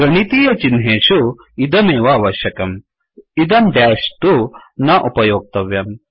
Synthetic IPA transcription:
ɡɐɳit̪iːjɐt͡ʃinɦeːʃu | id̪ɐmeːʋɐːʋɐʃjɐkɐm | id̪ɐmɖ̪jaːʃt̪unɐʔupɐjoːɡ̚t̪ɐʋjɐm

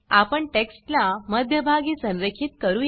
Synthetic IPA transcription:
apəɳʈeksʈlaməd̪ʱjəbʱaɡiːsə̃nɾekʰiːt̪kəɾuː

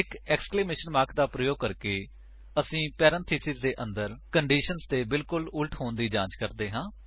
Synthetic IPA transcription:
ɪkɛːkskleːmeːʃənmaːɾkd̪aːpɾəjoːɡ̚kəɾkeː | əsĩːpɛːɾə̃nt̪ʰiːsɪzd̪eːʔə̃nd̪əɾkəɳɖiːʃənzt̪eːbɪlkʊlʊlʈʰɦoːnd̪iːd͡ʒãːɲt͡ʃkəɾd̪eːɦãː

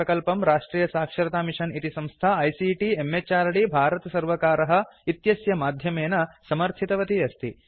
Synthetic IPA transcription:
ɐkɐlpɐmɾaːʂʈɾiːjɐsaːkʂɐɾɐt̪aːmiʂɐnit̪isɐ̃mst̪ʰaɐjsiʈiemːet͡ʃaːɾɐɽibʱaːɾɐt̪ɐsɐɾʋɐkaːɾɐɦɐ̆it̪jɐsjɐmaːd̪ʱjɐmeːnɐsɐmɐɾt̪ʰit̪ɐʋɐt̪iɐst̪ʰi

